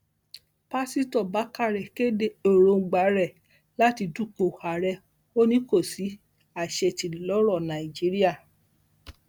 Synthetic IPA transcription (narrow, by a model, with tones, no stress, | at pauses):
pa˦si˦tɔ˦˨ba˨˦ka˦˨ɾɛ˨ke˦de˦o˦˨ɾo˧ŋ̩˨ɡ͡ba˨˦ɾɛ˦˨ | la˦ti˧du˦˨ko˨ha˨ɾɛ˧ | o˦nĩ˦ko˦˨si˨˦ | a˨ʃɛ˧ti˧lɔ˦ɾɔ˦˨nã˨i˨d͡ʒi˦ɾi˦a˦˨